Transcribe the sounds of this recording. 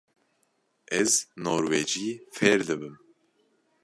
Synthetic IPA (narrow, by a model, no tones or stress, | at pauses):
ɛznoːɾweːd͡ʒiːfɛɾd̪ɨbɨm